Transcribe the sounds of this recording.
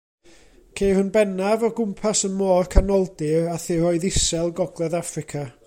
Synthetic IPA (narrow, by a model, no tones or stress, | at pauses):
kʰejrʊnbɛnavɔɡʊmpʰasənmɔːrkʰanɔlˠdɪraθɪrɔɨðɪsɛlˠɡɔɡlˠɛðafrɪkʰa